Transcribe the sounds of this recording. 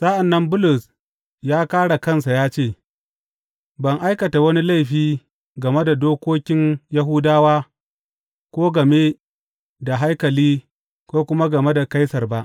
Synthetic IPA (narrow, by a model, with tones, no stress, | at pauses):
sa˦ʔa˨nːɐ˦mbʊ˦lʊ˨s | jaː˦kaː˦ɽa˨kɐ˦˨nsa˨jaː˦t͡ʃeː˦˨ | bɐ˨ŋʔa˦jkɐ˨ta˨wɐ˦ni˦la˦˨jɸiː˦ | ɡɐ˨me˦da˨doː˦kʷoː˦kʲɪ˦nja˦ɦʊ˦daː˦waː˦ | kʷoː˦ɡɐ˨me˦ | da˨ɦa˦jkɐ˨liː˦ | kʷoː˦kʷʊ˦ma˦ɡɐ˨me˦da˨ka˦jsɐ˨rba˦ʔ